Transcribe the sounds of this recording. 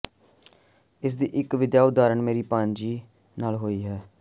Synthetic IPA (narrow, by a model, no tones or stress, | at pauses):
ɪs̬d̪iːʔɪkʋɪd̪jaːʊd̪aːɾəɳmeːɾiːpãːnd͡ʒiː | naːlɦoːiːɦɛː